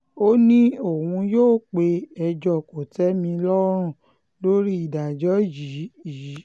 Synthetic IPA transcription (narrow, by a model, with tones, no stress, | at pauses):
o˦nĩ˦o˨wũ˧joː˦˨k͡pe˧ɛ˧d͡ʒɔ˦˨ko˨tɛ˨˦mĩ˧lɔ˦ɾ̃ũ˦˨ | lo˦ɾi˦i˦˨da˨d͡ʒɔ˨˦ji˨˦i˨i˨˦